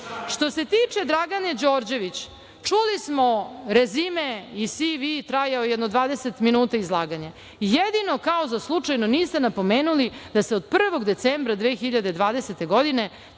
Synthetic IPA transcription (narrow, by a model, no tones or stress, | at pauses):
ʃt̪o̞se̞t̪iːt͡ʂe̞d̪ɾaɡaned͡ʑo̞ːɾd͡ʑe̞ʋit͡ɕ | t͡ʂulismo̞ɾezimeisiʋit̪ɾajaojɛd̪nod̪ʋaːd̪ese̞t̪minuːt̪aizlˠaːɡaɲa | jed̪ino̞kaozaslˠut͡ʂajnoniːst̪e̞napo̞meːnulid̪aseo̞d̪̚pr̩ʋo̞ɡd̪e̞t̪sembɾad̪ʋeːxiʎad̪ed̪ʋaːd̪eset̪e̞ɡo̞d̪ine̞